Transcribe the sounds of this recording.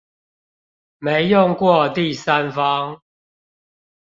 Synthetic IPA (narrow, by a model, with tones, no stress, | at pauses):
me˨˦ɪjʊ˥˨ŋkwɔ˥˨t̪i˥˨sa˦nfɑ˦ŋ